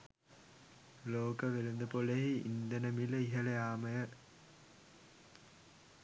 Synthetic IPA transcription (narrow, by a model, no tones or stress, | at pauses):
loːkəʋeɾund̪əpoleɦiḭnd̪ənəmiləiɦɐlejaːməjə